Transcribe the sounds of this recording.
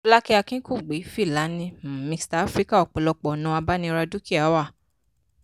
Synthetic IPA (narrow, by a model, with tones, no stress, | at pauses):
o˧˦la˦ki˦a˧kĩ˦kũ˦˨ɡ͡be˨˦fi˦˨la˨˦nĩ˧m̩˨mĩ˧staː˨˦fɾi˦ka˦˨ɔ˨k͡pɔ˨lɔ˧k͡pɔ˨nũ˧a˧ba˦nĩ˧ɾa˧du˦ki˦a˨˦wa˦˨